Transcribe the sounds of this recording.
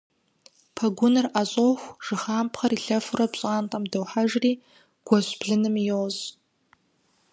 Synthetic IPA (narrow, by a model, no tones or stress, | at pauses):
pʰɐɡʷʊnɨraɕʼoxʷʐ̥ɨχaːmpʰχaɾiɬɐfrabɕʼaːntʼamdɨwħaʒriː | ɡ̥ʷaɕʷb̥ɮɨnɨmijowz